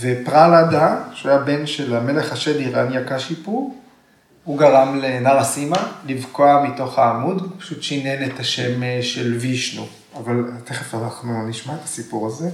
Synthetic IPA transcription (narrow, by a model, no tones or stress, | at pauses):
vepʁalad̪aʃeajabenʃelame̞leχaʃeliʁanjakaʃipuʁ | huɡalamlenaʁasimalivkoamito̞χaːmudpḁʃutʃiinenet̪haʃe̞mʃelviʃnṵ | avalat̪eχefanaχnuniʃmat̪ḁsipuʁaze